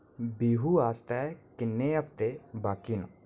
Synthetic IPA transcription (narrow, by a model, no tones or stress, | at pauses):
biːɦuːaːst̪ɛːkɪnːeːɦəpʰt̪ebaːkinṵ̃